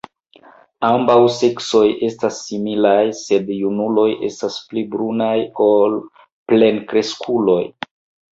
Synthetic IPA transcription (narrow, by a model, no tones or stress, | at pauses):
ambawse̞kso̞jʔe̞stasːimilajse̞djunulo̞jʔe̞̰stasplibɾunajo̞l | ple̞nkɾe̞skʰulo̞j